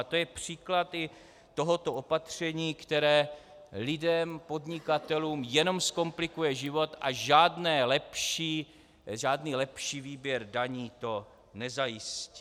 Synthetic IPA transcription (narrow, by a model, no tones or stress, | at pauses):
t̪ojɛpr̝̥iːklat̪ɪ | t̪o̞ɦo̞t̪o̞ʔo̞pat̪r̝̥ɛɲiːkt̪ɛɾɛː | lɪdɛmpo̞dɲɪkat̪ɛluːmjɛno̞msko̞mplɪkujɛʒɪvo̞t̪ʔaʒaːdnɛːlɛpʃiː | ʒaːdniːlɛpʃiːviːbjɛɾdaɲiːt̪o̞ | nɛzajɪsci